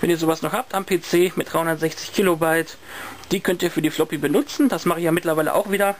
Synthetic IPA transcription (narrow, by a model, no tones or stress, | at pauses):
vɛniːɐzoːvasnɔχhaːp̚tampʰeːt͡seːmɪtd̥ʁaɪhʊndɐtz̥ɛçt͡sɪ̥çkʰiːlobaɪt | d̥iːkʰœntiːɐfyːɐdiːflɔpibənʊt͡sn̩dasmaχəɪçjaːmɪtlɐvaɪlə̰ʔa̰ʊxv̥iːdɐ